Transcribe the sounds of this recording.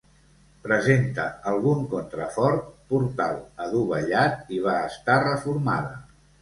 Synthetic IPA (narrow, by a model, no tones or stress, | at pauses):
pɾəzent̪ə̰əlˠɣuŋkont̪ɾəfɔɾt̪̚puɾt̪a̰lˠəðuβəʎat̪iβ̞aːst̪arəfuɾma̰ð̞ə